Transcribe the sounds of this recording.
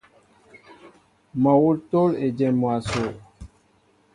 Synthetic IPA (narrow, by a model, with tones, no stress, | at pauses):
mɔ˨wu˦to˦le˨d͡ʒɛ˨mwa˨so˨